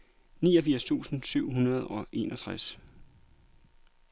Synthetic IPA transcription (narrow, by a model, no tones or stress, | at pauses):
nḭːɒfiɐ̰st͡sʰṵːsn̩syʊ̰ɦunɐð̞ˠɒ̽ʔe̝ːnɒt͡sʰʁas